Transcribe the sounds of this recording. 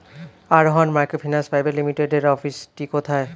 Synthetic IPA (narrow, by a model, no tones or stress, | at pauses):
aɾɦɔnmajkopʰinasfajbeɾlimiʈeɖeɾɔfisʈikot̪ʰae